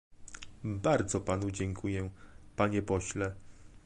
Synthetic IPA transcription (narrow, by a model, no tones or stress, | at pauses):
baɾd̪zɔpan̪ud͡ʑɛŋkʰujɛpaɲɛpɔɕlɛ